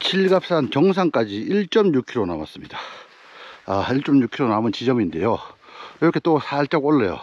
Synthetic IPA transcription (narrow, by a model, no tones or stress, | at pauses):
t͡ɕʰiɭɡap̚s͈ankjʌŋsʰaŋk͈ad͡ʑiiɭt͡ɕ͈ʌmɲukʰiɾona̰ma̰s͈ɯmɲid̥a | aiɭt͡ɕ͈ʌmɲukʰiɾonamɯnt͡ɕid͡ʑʌminde̞joiɾʌkʰe̞t͈osʰaɭt͡ɕ͈ʌɡoɭːḛjo̰